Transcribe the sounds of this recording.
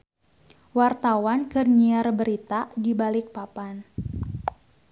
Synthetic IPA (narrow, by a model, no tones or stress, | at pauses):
wart̪awankərɲiarbəɾit̪adibalɪk̚papan